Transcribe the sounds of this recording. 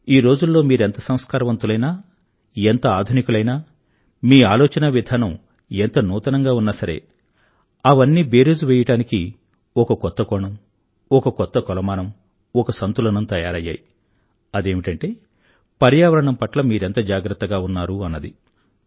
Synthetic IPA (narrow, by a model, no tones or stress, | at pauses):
iːɾo̞ːd͡ʒulːo̞ːmiːɾent̪ɐsɐm̃skaːɾɐʋɐnt̪ulɐjnaː | ent̪ɐaːd̪ʱunikulɐjnaː | miːaːlɔːt͡ʃɐnɐʋid̪ʱaːnɐm | ent̪ɐnuːt̪ɐnɐŋɡaːunːasɐɾe̞̰ː | ɐʋɐnːiːbe̞ːɾeːd͡ʒuʋɛːjɐʈaːniki | ɔkɐkɔt̪ːɐkɔːɳɐm | ɔkɐkɔt̪ːɐkɔlɐmaːnɐm | ɔkɐsɐnt̪ulɐnɐmt̪ɐjaːɾɐjːa̰ːji | ɐd̪e̞ːmiʈɐɳʈe̞ː | pɐɾjaːʋɐɾɐɳɐmpɐʈlɐmiːɾe̞nt̪ɐd͡ʒaːɡɾɐt̪ːɐɡaːunːaːɾuɐnːɐd̪i